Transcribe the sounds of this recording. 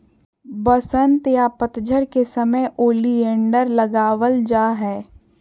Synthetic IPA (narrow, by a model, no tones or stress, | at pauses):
bəsənt̪japət̪d͡ʒəɾkesəməjʔoːliẽːɳɖəɾləɡaːʋəld͡ʒaːɦɛː